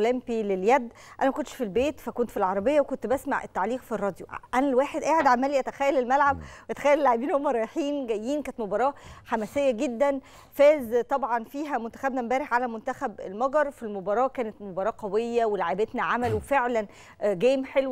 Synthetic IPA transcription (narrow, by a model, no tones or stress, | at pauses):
læmpileljæd̪ː | ʔæ̰næmækont̪ʃfilbeːt̪fækont̪filʕɑɾˤɑbejːæwekont̪bæsma̰ʕʔḛt̪ːaʕliːqfirˤːɑːd̪joʔænælwæːħed̪ʔæːʕed̪ʕamːæːliʔæt̪æxæːjːælelmælʕab̚weʔæt̪æ̥xæːjːælelaʕebiːnhomːæɾˤɑjeħiːnɡæjːiːnkæːnet̪mobɑɾˤɑːħamæsejːæɡed̪ːæn | fæːzt̪ˤɑbʕɑnfiːɦæmont̪æxæbnæmbæːɾeħʕalæmont̪æxæbelmɑɡɑɾˤfilmobɑɾˤɑːkæːnet̪mobɑɾˤɑːqæwejːæwelaʕebet̪næʕamælwefeʕlæn | ɡæːmħelw